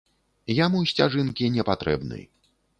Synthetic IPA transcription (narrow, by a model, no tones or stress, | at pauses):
jamusʲt͡sʲaʐɨnkʲinʲɛpat̪ɾɛ̰bnɨ̰j